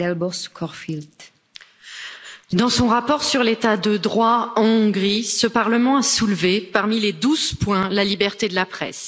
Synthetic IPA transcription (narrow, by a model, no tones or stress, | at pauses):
ɛlbɔʁskʰɔʁfilt̪ | d̪ɑ̃sɔ̃ʁapɔʁsyʁlet̪ad̪əd̪ʁwaɑ̃ɔ̃ɡʁisəpaʁləmɑ̃asulvepaʁmiled̪uzpwɛ̃lalibɛʁt̪ed̪əlapχɛ̰s